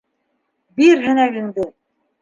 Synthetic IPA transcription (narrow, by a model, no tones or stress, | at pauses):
biɾɦɘ̆næɡɘ̆ŋd̪ɘ